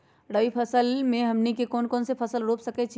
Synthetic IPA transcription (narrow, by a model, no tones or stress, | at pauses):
ɽəipʰəsəlmẽɦəmnikekoːnkoːnsepʰəsəlɾopsəkɛt͡ʃʰi